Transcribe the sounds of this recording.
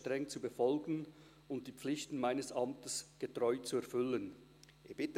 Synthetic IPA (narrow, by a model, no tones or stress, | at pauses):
tʁɛŋt͡subəfɔlɡn̩ | ʊnt̚d̥iːp͡flɪçtn̩maɪnəsʔɑmtəsɡ̥ətʁɔʏt͡suɛʁfʏlən | ʔeb̥ɪt